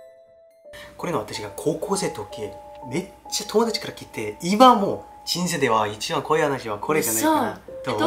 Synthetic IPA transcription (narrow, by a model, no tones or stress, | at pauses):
koɾenɯwat͈ɯɕʰiɡakokʰosʰetʰok͈emet͡ɕʰitʰoŋodɯt͡ɕʰi̥k͈ʰɯɾakʰit͈eimamot͡ɕins̬ʰɯdewait͡ɕʰiwankʌiɦanaɕiwakʰoɾed͡ʑanato